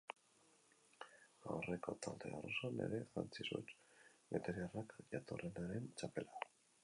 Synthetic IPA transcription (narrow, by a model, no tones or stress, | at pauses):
awre̞ko̞t̪ʰald̪e̞orosanḛɾe̞xa̰nt͡sisot͡ʃmet̪eɾiarakʝat̪orenaɾe̞nt͡ʃape̞la